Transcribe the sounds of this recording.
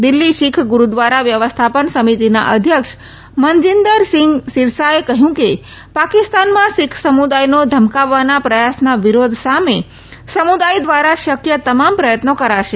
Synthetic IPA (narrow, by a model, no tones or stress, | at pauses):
d̪ɪlːiʃɪkʰɡuɾud̪ʋaɾaʋjəʋəst̪ʰapənsəmit̪ina̰ʔəd̪ʱjəkʃ | məɲd͡ʒind̪əɾsɪŋɡsɪɾsaekəɦjũke | pakɪst̪anmãʃɪkʰsəmud̪ajnod̪ʱəmkaʋːanapɾəjasnaʋiɾod̪ʱsame | səmud̪ajd̪ʋaɾaʃəkjət̪əmampɾəjət̪nokəɾaʃe